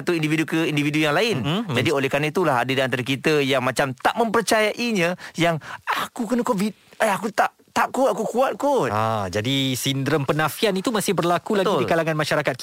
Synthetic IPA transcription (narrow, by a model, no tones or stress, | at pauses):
at̪uindividukəindividujaŋlaɪnd͡ʒadiolɛhkɾanait̪̬ulaɦa̰dədiant̪aɾakit̪əjaŋmãt͡ʃamt̪aʔmə̃mpərt͡ʃajaʔiɲãjaŋakukənəkovit̪̚aakut̪aʔt̪aʔkuaakukuat̪̚kua̰d͡ʒadisind̪ɾəmpənãfianit̪umasɪhbərlakulaɡidikalaŋanmaʃaɾakat̪̚k